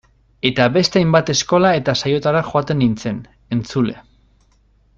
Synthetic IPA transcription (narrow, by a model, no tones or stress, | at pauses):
e̞t̪aβe̞st̪e̞ajmbat̪e̞sko̞lae̞t̪asajo̞t̪aɾaxoat̪e̞nːint͡se̞n | e̞nt͡sule̞̰